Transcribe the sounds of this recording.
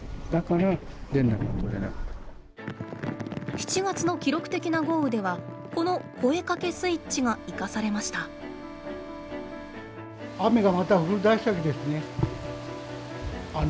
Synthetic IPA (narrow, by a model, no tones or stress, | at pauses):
d̪̥akaɾad̪ẽ̞nːa̰ka̰t̪od̪ena̰kt̪ | çi̥t͡ɕiɡat͡sɨno̞kʲiɾo̞kɯ̟̥t̪e̞kʲinaɡo̞ːɯ̟d̪e̞β̞a | ko̞no̞ko̞e̞kake̞sɨit͡ɕiɡaikasaɾe̞maɕi̥t̪a | ame̞ɡamat̪aɸɯkɯɾɯd̪aisakʲid̪esɨne̞ | a